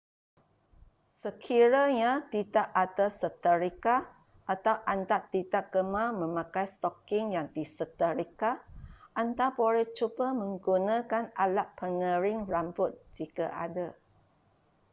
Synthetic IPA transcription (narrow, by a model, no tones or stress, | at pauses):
səkʰiɾaɲat̪idaʔadasət̪əɾika | ʔat̪awʔant̪at̪ːidaʔ̚ɡ̥əmamə̃mãkajst̪ɔkɪŋjaŋdisət̪əɾikaʔant̪aboɾɛht͡ʃubəmə̃ŋɡunãkanalaʔpəŋə̃ɾɪŋrambʊt̪̚d͡ʒikaʔa̰da